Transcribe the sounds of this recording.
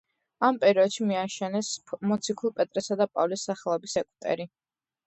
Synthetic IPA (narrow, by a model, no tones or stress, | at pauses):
ampʼɛɾiɔd̪ʃimiaʃɛnɛsmɔt̪sʰikʰulˠpʼɛt̪ʼɾɛsad̪apʼavlisːaχɛlˠɔbisɛkʼut̪ʼɛ̰ɾi